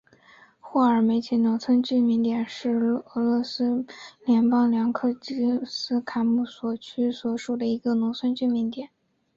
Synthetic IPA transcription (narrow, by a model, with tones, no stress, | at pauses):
xwɔ˥˩ə˞˨˩me˧˥ɪt͡ɕʰi˧˥nʊ˧˥ŋt͡sʰwə˥nt͡ɕy˥˩mi˧˥ŋt̪jɛ˨˩nʂɻ̩˥˩ɤ˧˥lwɔ˥˧sɹ̩˥ljɛ˧˥npɑ˥ŋljɑ˧˥ŋkʰɤ˥˩t͡ɕi˥sɹ̩˥kʰa˧˥ɪmu˥˩swɔ˨˩t͡ɕʰy˥swɔ˨˩ʂu˨˩d̪ə˩i˧˥ɡə˧nʊ˧˥ŋt͡sʰə˥nt͡ɕy˥˩˧mi˧˥nt̪jɛ˨˩˦n